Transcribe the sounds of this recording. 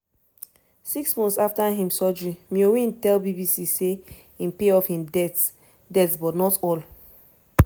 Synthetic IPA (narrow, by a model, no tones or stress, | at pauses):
siksmɔ̃ntsaftaɦĩmsɔd͡ʒɹĩmiowĩntɛlbibisise | ĩm̩peɔfhĩmdɛt | dɛtsbɔtnɔtɔl